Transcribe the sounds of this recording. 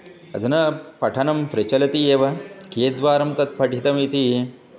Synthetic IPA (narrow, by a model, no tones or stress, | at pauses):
ɐ̰d̪ʱɐnɐpɐʈʰɐnɐmpɾɐt͡ʃɐlɐt̪ieːʋɐkeːd̪ʋaːɾɐmt̪ɐt̪̚pʰɐɖʱit̪ɐmit̪i